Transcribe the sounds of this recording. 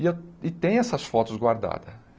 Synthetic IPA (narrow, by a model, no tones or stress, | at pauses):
eɪt̪ẽj̃ɛsɐsfɔt̪ʊzɡwaɾd̪a̰d̪ɐ